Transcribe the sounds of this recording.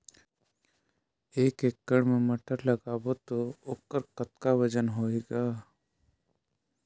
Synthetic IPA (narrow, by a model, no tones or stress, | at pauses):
eːkeːk̚ːəɽmẽmɐʈəɾləɡaːbot̪ooːkːəɾkət̪kawɐd͡ʒənɦoːeːɡaː